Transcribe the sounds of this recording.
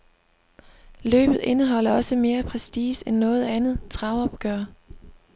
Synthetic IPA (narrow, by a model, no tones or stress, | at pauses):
lø̰ːb̥ð̞̩ˠe̝nəɦɒ̽l̰ɐɒ̽səme̝ːɐpʰʁɛsd̥iːsenːɔ̽ːð̞̩ˠænð̞̩ˠt͡sʰʁɑ̈ʊɒ̽b̥̚ɡ̥ɶːɐ